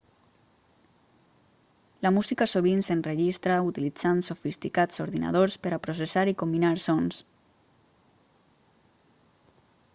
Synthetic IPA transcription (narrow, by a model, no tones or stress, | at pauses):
lamuzikasoβ̞insenreʒist̪ɾaut̪ilid͡zansofist̪ikat͡so̰ɾðina̰ð̞oɾspəɾapɾos̬esaɾikombinaɾsɔns